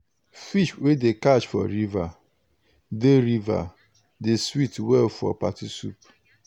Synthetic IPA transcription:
fiʃwedekat͡ʃfɔ̰ɾiva | deɾiva̰ | deswitwɛlfɔ̰patisṵp

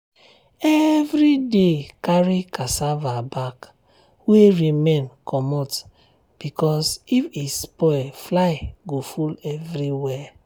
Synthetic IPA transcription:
ɛvɾidekaɹikasavabak | weɹimẽnkʰɔmɔt | b̥ikɔsifispɔɛflaɪɡofulɛvɾiwɛ

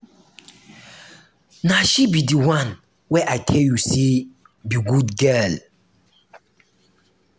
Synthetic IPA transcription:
naʃibidiwãn | wɛʔajtʰɛljuse | biɡudɡɛl

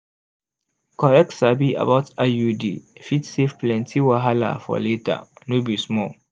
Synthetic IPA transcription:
kɔɹɛk̚tsabia̰baʊtajudḭfitsevplɛ̃ntʰiwaɦala̰fɔ̰leta̰nobismɔ

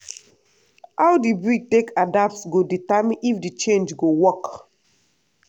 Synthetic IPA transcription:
awdibɹiɡ̚tekadatsɡoditamĩnʔifdit͡ʃẽnd͡ʒɡowɔk

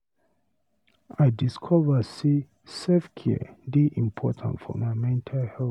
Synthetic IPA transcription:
aɪdiskʰɔvəsi | sefkʰɛ̰diʔĩmpʰɔtʰã̰ntfɔ̰maɪmɛ̃ntʰalhɛ

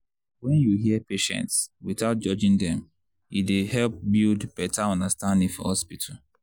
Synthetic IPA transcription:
wɛ̃njuɦiɛpeʃɛ̰̃ntswiθaʊt̚d͡ʒɔd͡ʒĩŋdɛ̃m | judehɛlp̚bildb̥ɛtʰaɔ̃ndəstãndĩŋfɔ̰hɔspitʰal

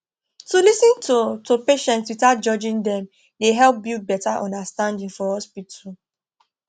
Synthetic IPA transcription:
tulisĩntʰutʰupeʃɛ̃ntswitad͡ʒɔd͡ʒĩndɛ̃m | deɦɛlp̚bibɛtaʔɔ̃ndastãndĩŋfɔhɔspitʰɔl

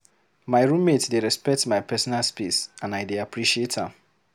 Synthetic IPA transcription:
maɪɹũmmetdeɹɛspɛk̚tmajpɛsɔnalspisãnajdeapɹiʃietãm

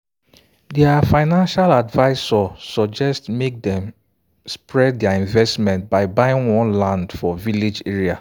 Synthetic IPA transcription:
dɛafaɪnãnʃaladvaɪsɔsɔd͡ʒɛstmek̚dɛ̃m | spɹɛddɛaĩɱvɛstmɛ̃nt̚baɪbaɪɪ̃ŋwɔ̃nlãndfɔvilid͡ʒeɹia

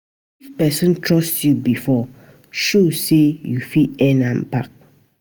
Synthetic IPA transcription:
ifpɛsɔ̃ntʰɹɔstjubifɔ | ʃosejufiɛ̃nãmpak̚

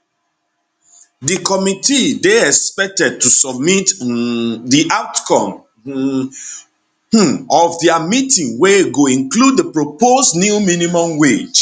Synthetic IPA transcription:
dikɔmitideɛkspɛk̚tɛd̚tusɔb̚mit | diʔaʊtkɔ̃m | ɔvdɛamitĩŋweɡoĩnkludəpɹoposnjuminimɔ̃mwed͡ʒ

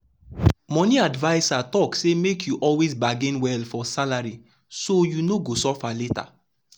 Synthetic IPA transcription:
mɔ̃niadvaɪsatɔksemekʰjuʔɔlwezbaɡĩnwɛlfɔsalaɹi | sojunoɡosɔfaleta̰

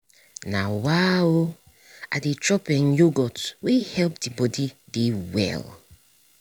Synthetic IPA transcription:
na̰wao | adetɾɔpɛ̃njoɡɔtwehɛlp̚dibɔdidewɛ̰l

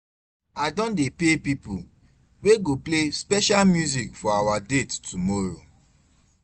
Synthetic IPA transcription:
adɔ̃ndepepipṵ | weɡoplespɛʃalmjuzikfɔawadettumɔɹo̰

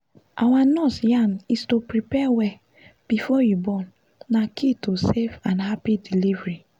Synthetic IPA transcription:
ʔawanɔsjãnistopɾipɛwɛ | b̥ifɔjubɔ̃nː | akʰitosefãnɦapidilivɹi

